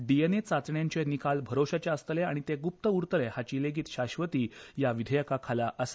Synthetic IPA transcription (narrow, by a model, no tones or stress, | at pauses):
ɖijənet͡sat͡sɳjãɲt͡ɕenikalbʱəɾoɕat͡ɕeəst̪əleaɽ̃it̪eɡup̚t̪əuɾt̪əlehat͡ɕiːleɡiːt̪ɕaɕʋət̪iːjaʋid̪ʱəjəkakʰalaʔəs